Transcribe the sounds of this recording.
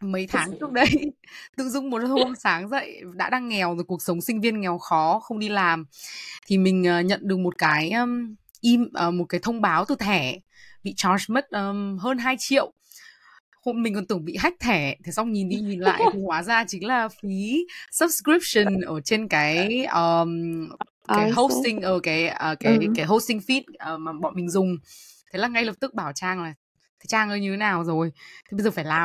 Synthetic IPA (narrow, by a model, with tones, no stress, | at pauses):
mə˨˦jt̪ʰaː˨˦ŋt͡ɕɨ˦˥ək̚ɗə˧jt̪ɨ̰˧˥zʊ˧wŋ͡mm˨˩t̚ho˧msaː˨˦ŋzə̰˧˨jɗa̰ː˧˥ɗaː˧ŋːɛ˨˩wjku˨˩ək̚sə˨˦wŋ͡msï˧ŋ̟vi˧ənŋɛ˨˩wxɔ˨˦xə˧wŋ͡mɗi˧laː˨˩mt̪ʰi˨˩mï˨˩ŋ̟ʔəː˨˩ɲə̰˧˨nɗɨ˨˩ək̚mo˨˩t̚kaː˨˦j | ʔi˧mʔəː˨˩mo˨˩t̚kaː˨˦jt̪ʰə˧wŋ͡mɓaː˨˦wt̪ɨ˨˩t̪ʰɛ˧˩ | ɓḭ˧˨t͡ɕɔ˧˩smə˦˥t̚ʔəː˨˩ɦəː˧nɦaː˧jt͡ɕḭ˧˨əw | ho˧mi˨˩ŋ̟kɔ˨˩nt̪ɨ˧˩əŋɓḭ˧˨ɦa˦˥jk̚t̪ʰɛ˧˩t̪ʰi˨˩sa˧wŋ͡mɲi˨˩nɗi˧ɲi˨˩nla̰ː˧˨j̪ʰi˨˩kwaː˨˦zaː˧t͡ɕï˨˦ŋlaː˨˩fi˨˦sə˦˥p̚skɹi˦˥p̚sə˨˩nʔəː˧˩t͡ɕe˧nkaː˨˦jəː˨˩ | kaː˨˦jɦo˦˥i˧ŋʔəː˧˩kaː˨˦jəː˨˩kaː˨˦jkaː˨˦jɦo˧˥sï˧ŋfi˦˥t̚ʔəː˨˩maː˨˩ɓɔ̰˧˨mï˨˩ŋ̟zʊ˨˩ŋ͡mt̪ʰe˨˦laː˨˩ŋa˧jlə˨˩p̚t̪ɨ˦˥k̚ɓaː˧˩wt͡ɕaː˧˩ŋlaː˨˩ | t̪ʰe˨˦t͡ɕaː˧˩ŋʔəː˧jɲɨ˧t̪ʰe˨˦naː˨˩wzo˨˩jt̪ʰi˨˩ɓə˧jzəː˨˩faː˧˩jlaː˨˩